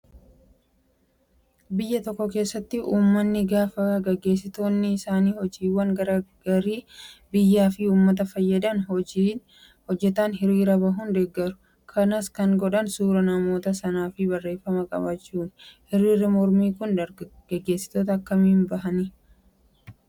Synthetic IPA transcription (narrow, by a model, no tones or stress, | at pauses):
bɪjːɐt̪ɔkːɔke̞ːsːɐt̪ːɪuːmːɐnːɪɡaːfɐɡɛɡe̞ːs̬ːɪt̪o̞ːnːɪːsaːniːhɔd͡ʒiːwːɐŋɡɐɾɐɡɐɾiːbɪjːaːfɪuːmːɐt̪̬ɐfɐjːɐd̪ɐnɔd͡ʒin | hɔd͡ʒːɛt̪ɐnɦɪɾiːɾɐbɐɦʊnd̪ɛɡːɐɾʊ̥ | kʰɐnɐskɐŋɡɔᶑɐnsuːɾɐnɐmo̞ːt̪ɐsɐnaːfɪbɐrːe̞ːfːɐmɐkʼɐ̰bɐt͡ʃːuːnhɪɾiːɾɪmɔɾmiːkʊnɐɡɛɡe̞ːsːɪ̥t̪oːt̪̬ɐɐkːɐmɪmbɐɦɐnɪ